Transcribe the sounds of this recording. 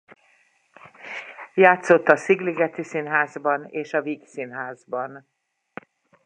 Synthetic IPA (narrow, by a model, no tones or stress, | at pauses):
jaːt̪so̞t̪ːɒsiɡliɡɛt̪isinɦaːzbɒneːʃɒviːksinɦaːzbɒn